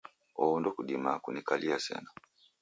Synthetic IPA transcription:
ɔndɔkuɗimakunikaliasɛ̰na

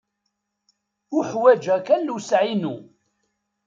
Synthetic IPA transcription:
uħwæd͡ʒækænːusʕinu

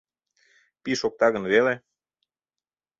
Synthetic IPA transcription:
piʃok̚t̪ɑɣə̆nβele

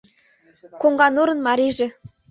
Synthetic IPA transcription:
koŋɡɑnuɾɤ̆nmɑɾiʒĕ

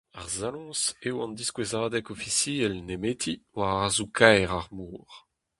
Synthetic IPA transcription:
aʁzalɔ̃ːsewɑ̃nd̪iskwezaːd̪ɛkofisiɛlnemet̪ʰiwaʁaʁzukʰajʁaʁmuːʁ

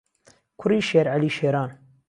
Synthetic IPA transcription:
kʰʊɾiːʃeːɾʕaliːʃeːɾɑːn

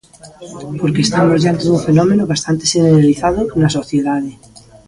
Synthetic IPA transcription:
poɾkeːst̪amozʝant̪ezðuɱfenɔmenoβast̪ant̪eʃeneɾaliθað̞onasoθjeðaðe

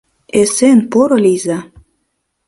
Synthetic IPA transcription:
esenpoɾɤ̆lijzɑ

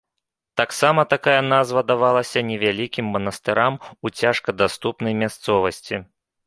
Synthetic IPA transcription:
t̪aksamɐt̪akajɐnazvɐd̪avalˠɐsʲɐnʲɛvʲalʲikʲimːɐnɐst̪ɨɾamut͡sʲaʂkɐd̪ast̪upn̪ɐjmʲast̪sɔvɐsʲt͡sʲi

